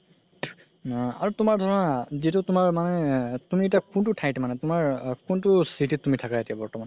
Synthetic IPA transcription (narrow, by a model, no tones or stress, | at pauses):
a̰ɹutʊmaɹdʱɔɹɔnazitʊtʊmaɹmanɛtumietakuntʊtʰajtmanɛtʊmaɹkuntʊsitʰitːumitʰakaetijabɔɹtɔman